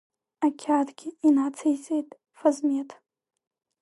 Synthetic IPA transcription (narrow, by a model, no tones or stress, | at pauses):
akʲʰadɡʲɪinʕat͡sʰejt͡sʼejtʼ | fazmetʰʼ